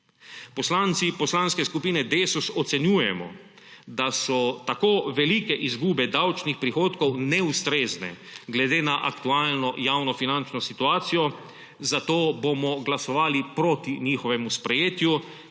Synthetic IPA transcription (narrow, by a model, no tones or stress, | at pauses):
pɔslant̪sipɔslanskɛskupiːnɛd̪esusɔt̪sɛnjuːjɛmɔ̰ | d̪asɔt̪akoːʋɛlikɛʔizɡuːbɛd̪awt͡ʃnixpɾixoːt̪kɔwnɛust̪ɾeːznɛ̰ɡlɛd̪eːnaʔa̰kt̪uaːlnɔjawnɔfinant͡ʃnɔsit̪uaːt̪sijɔ | zat̪oːbomɔɡlasɔʋaːlipɾoːt̪iɲiːxɔʋɛmuspɾɛjeːt̪ju